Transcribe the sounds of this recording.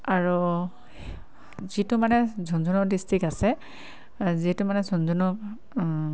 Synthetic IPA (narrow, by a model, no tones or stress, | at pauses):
aɹu | zitumanɛzʱɔnzʱunɔdistikasɛ | zitumanɛzʱɔnzʱunɔk